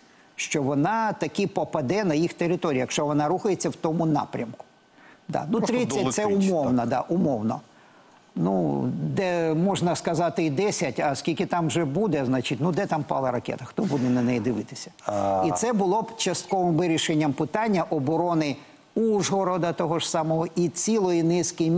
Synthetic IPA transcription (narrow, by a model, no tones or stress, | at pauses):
ʃt͡ʃɔʋɔnɑt̪ɐkipɔpɐd̪ɛnɐjixt̪eɾɪt̪ɔɾʲijːjɐkʃt͡ʃɔʋɔnɑɾuxɐjet͡sʲːɐwt̪ɔmʊnɑ̰pɾʲɐmkʊ̥ | d̪ɑ̰nuɾɪsʲɐt̪sɛumɔwnɐd̪ɑʔumɔwnɔ̰ | nṵd̪ɛmɔʒnɐskɐzɑt̪ɪid̪ɛsʲɐtʲɐskʲilʲkɪt̪ɑmʒɛbud̪ɛznɑt͡ʃɪtʲnud̪ɛt̪ɑmpɑ̰lˠɐɾɐkɛ̰t̪ɐxt̪ɔbud̪ɛnɐnɛjid̪ɪʋɪt̪ɪ̥sʲɐ̥isɛbʊlˠɔbt͡ʃɐst̪̚kɔʋɪmʋɪɾʲiʃenʲːɐmpɪt̪ɑnʲːɐʔɔbɔɾɔnɪ | uʒɦɔɾɔd̪ɐt̪ɔɦɔʐsɑmɔɦɔʔit͡sʲilˠɔjinɪsʲkɪjmʲ